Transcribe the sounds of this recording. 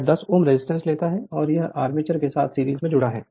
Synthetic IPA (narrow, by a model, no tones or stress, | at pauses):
d̪ɐsoːmɾɪzɪsʈə̃nsleːt̪aɦɛɔːɾjɐɦaːɾmɪt͡ʃəɾkesaːt̪ʰsiːɾiːzmẽd͡ʒʊɽaɦɛ̰ː